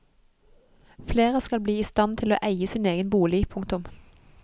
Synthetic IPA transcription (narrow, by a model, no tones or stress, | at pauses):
fleːʁəskɑlbliːiːst̪ɑnt̪ʰɪloːʔæɪəsiːneːɡənbuːlɪpʰʊŋt̪ʊm